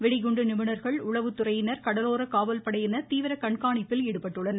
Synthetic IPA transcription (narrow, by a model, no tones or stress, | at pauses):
ʋɛɽɪɣʊɳɖɯnɪmɯɳɐɾɣɐɭʊɭɐʋɯt̪ːʊrɐjɪnɐɾkɐɽɐloːɾɐkaːʋɐlpɐɽɐjɪnɐt̪iːʋɪɾɐkɐɳkaːɳɪpːɪlɛːɽɯpːɐʈːɯɭːɐn